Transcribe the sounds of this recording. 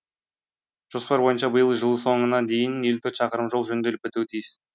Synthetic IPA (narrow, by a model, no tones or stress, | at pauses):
ʒ̥ospɑɾbo̞jənʃɑbəjəlˠʒəlˠəso̞ɴənɑd̪e̞jɪnelt̪ʰɵt̪ʃɑqəɾəmʒo̞lˠʒɵnd̪e̞lɪpbɪt̪uwt̪ʰijɪs